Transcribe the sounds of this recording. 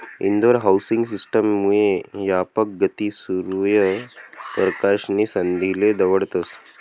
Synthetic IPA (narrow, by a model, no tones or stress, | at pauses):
ḭnd̪ʋɐɾɦawsiŋɡsisʈəmːujejapək̚ɡət̪isuɾujɐpəɾkaʃnisɐnd̪ʱiled̪ɐʋəɽt̪əs